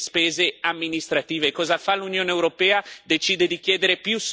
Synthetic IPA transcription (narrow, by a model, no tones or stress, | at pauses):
spɛːzeamːinist̪ɾat̪iːvekɔːzafalunjoːneːwɾopɛːad̪et͡ʃiːd̪ed̪ik̟jɛːd̪eɾepjus